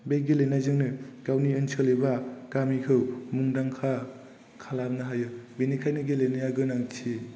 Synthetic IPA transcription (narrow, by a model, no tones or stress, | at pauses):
beɡelenajzɯŋnɯɡ̥awniɯnsʰɯlebaɡ̥amikʰɯwmuŋdaŋkʰa | kʰalap̚nɯɦajɯbenikʰajnɯɡelenɯjaɡɯnaŋtʰi